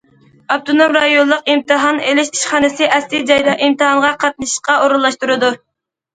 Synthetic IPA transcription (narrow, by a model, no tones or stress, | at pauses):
ɑb̚t̪ʰonomɾɑjollˠːəqimt̪ʰɨɦɑnelɪʃi̥ʃχɑːnɨsɨʔɛslid͡ʒɑjd̪ɑʔimt̪ʰɨhɑŋʁɑqʰɑt̪̚nɨʃə̥qɑoɾulˠːɑʃt̪uɾɨd̪u